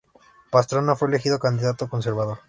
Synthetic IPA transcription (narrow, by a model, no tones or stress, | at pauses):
past̪ɾonːofweelexiðokand̪iðat̪okonseɾβaðoɾ